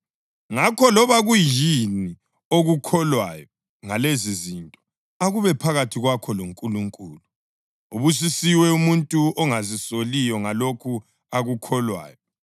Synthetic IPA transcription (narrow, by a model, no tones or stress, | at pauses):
ŋakʰɔlɔβaɣujini | oɣukʰɔlwajɔ | ŋalezizintʼɔ̥ | aɣuβɛpʰaɣatʰiɣwakʰɔloŋkʼuluŋkʼuːlu | uβus̬isiwɛumuntʼuɔŋazisolijɔŋalokʰu | aɣukʰɔlwa̰ːjɔ